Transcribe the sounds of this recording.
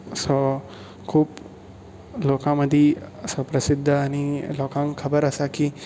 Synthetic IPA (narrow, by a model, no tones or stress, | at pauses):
so | kʰuːp | loːkãmɐd̪ʱisopɾɐsid̪ʱːaːniloːkãŋkʰɐbəɾɐsaki